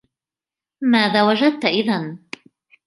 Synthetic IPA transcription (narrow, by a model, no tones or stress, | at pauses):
maːðaːwad͡ʒad̪̚t̪aʔɪðan